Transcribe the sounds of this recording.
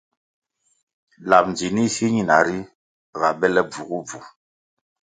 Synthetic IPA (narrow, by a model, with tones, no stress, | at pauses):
la˨p̚n˨d͡ʒi˨ni˦si˦ɲi˦na˨ɾi˦ | ɣa˨bɛ˦lɛ˦b͡vu˨ɣu˦b͡vu˨